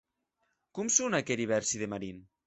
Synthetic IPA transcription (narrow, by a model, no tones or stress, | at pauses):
kumsunakeɾiβɛɾsiðemaɾin